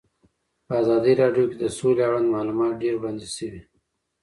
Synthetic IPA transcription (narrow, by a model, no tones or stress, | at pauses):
pəazɑd̪iɾɑɖjoked̪əsoleaɽand̪mɑlumɑːt̪̚ɖeɾband̪iʃəwi